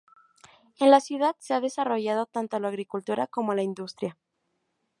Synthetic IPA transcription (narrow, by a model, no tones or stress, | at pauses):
e̞nlasjuð̞aðse̞aðe̞saro̞ʝað̞o̞t̪ant̪olaːɣɾikult̪uɾako̞molaind̪ust̪ɾja